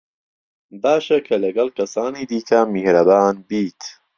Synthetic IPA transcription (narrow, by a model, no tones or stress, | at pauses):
baːʃɐkʰɐlɐɡɐlkʰɐsaːniːd̪iːkʰɐmihɾɐbaːnbiːt̪ʰ